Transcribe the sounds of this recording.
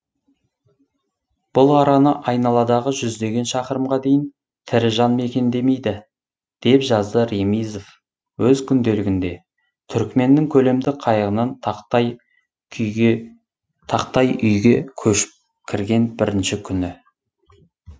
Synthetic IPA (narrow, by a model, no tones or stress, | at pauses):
b̥ʊlˠɑɾɑnəʔɑjnɑlˠɑd̪ɑʁəʒʏzd̪e̞ɡʲe̞nʃɑqəɾəmʁɑd̪e̞jɪn | t̪ʰɪɾɪʒɑnme̞kʲe̞nd̪e̞me̞jd̪ɪ | d̪̥e̞pʒɑzd̪əɾe̞mijzof | wɵzkʲʰʏnd̪e̞lɪɡʲɪnd̪e̞ | t̪ʰʏɾkme̞nːɪŋkʲʰɵle̞md̪ɪqʰɑjəʁənɑnt̪ | t̪ʰɑqt̪ɑjʏjɡʲe̞kʲʰɵʃɪ̥p̚ | kʲʰɪɾɡʲe̞nbɪɾɪnʃɪkʲʰʏnɪ